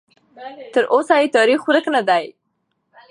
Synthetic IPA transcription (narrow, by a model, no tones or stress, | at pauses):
t̪əɾʔosajet̪ɑɾixuɾəknad̪aj